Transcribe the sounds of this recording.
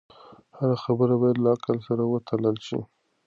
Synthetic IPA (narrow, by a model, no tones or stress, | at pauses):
haɾaxabəɾabɑjad̪laakəlsaɾawət̪ʰaləlʃḭ